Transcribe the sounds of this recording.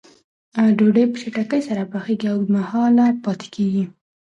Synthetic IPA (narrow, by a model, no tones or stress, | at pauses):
aɖoɖəjpə̥ʃeʈakəjsaɾapaxeɡiawmahɑlapɑt̪e̥keɡi